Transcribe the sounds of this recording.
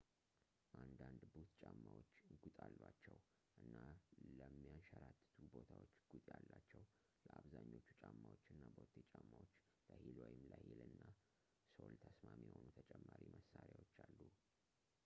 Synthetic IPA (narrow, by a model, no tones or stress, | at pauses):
ʔand̪and̪but̪t͡ʃʼamːawot͡ʃːɡut̪ʼalːwat͡ʃːɛw | ʔɨnːaləmːijanʃəɾat̪ːɨt̪ʰubo̞t̪ʰawot͡ʃːɡ̥ut̪ʼjalːat͡ʃːɛw | ləaβzaɲːo̞t͡ʃːu̥t͡ʃʼamːawot͡ʃːɨnːabəot̪ʰːeɛt͡ʃʼamːawot͡ʃː | ləhilojɪmləhilɨnːa | solt̪ʰəsmamijɛho̞nut̪ʰət͡ʃʼɛmːaɾiməsaɾjawot͡ʃːalːu